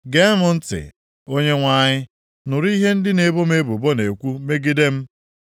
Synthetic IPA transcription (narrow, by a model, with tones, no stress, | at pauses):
ɡe˦mʊ˨n̩˦tɪ̰˨ | o˦ɲe˦ŋʷa˦ɲɪ˦ | nʊ˨ɾi˦ɦe˦n̩˦dɪ˦ne˨bo˦me˦bu˨bo˦ne˨kʷu˦me˦ɡɪ˦de˦m̩˦